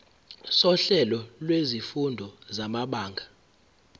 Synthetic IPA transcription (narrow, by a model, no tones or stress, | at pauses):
sɔɬɛlɔlwezifundʱɔzamaɓaːŋɡʱa